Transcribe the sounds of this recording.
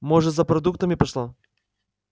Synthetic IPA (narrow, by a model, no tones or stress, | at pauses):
moʐɨzɐpɾɐd̪ukt̪əmʲɪpɐʂlˠa